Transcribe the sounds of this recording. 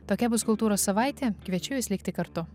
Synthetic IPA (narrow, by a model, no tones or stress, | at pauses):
t̪oːkʲɛbʊskʊlˠt̪uːɾoːssɐʋɐɪt̪ʲeːkʋʲiɛt͡ʃʲʊjʲɪsʲlʲɪkt̪ʲɪkɐɾt̪ʊ